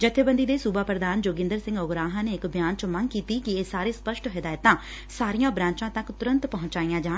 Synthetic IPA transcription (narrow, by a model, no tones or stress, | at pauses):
d͡ʒət̪ʰːeːbənd̪iːd̪eːsubaːpɾəd̪aːnd͡ʒoːɡɪ̃nd̪əɾsɪ̃ŋɡʊɡɾaːɦãːneːɪkbjaːnt͡ʃəməŋɡkiːt̪iːkɪeːsaːɾeːspəʃʈɦɪd̪aːjət̪ãː | saːɾijãːbɾãːɲt͡ʃãːt̪əkt̪ʊɾə̃nt̪pəɦʊ̃t͡ʃaːiːjãːd͡ʒaː